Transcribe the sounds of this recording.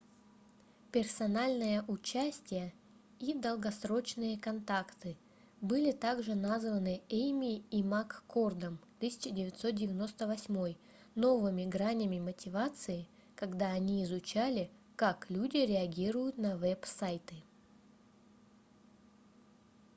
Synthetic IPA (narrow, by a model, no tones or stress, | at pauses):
pʲɪrsɐnalʲnɨjəʔʊt͡ɕæsʲtʲɪjə | id̪əlˠɡɐsɾo̞t͡ɕnɨjəkɐnt̪akt̪ɨ | bɨlʲɪt̪aɡʐɨnazvənɨejmʲɪːmakːord̪əmt̪ɨsʲɪ̥t͡ɕɪdʲɪvʲɪt̪so̞t̪̚dʲɪvʲɪno̞st̪əvɐsʲmoj | no̞vɨmʲɪɡɾanʲɪmʲɪmətʲɪvat̪sɨɪ | kɐɡd̪aɐnʲiːzʊt͡ɕælʲɪ | kaklʲudʲɪɾʲɪɐɡʲiɾʊjʊt̪nɐvɛpsajt̪ɨ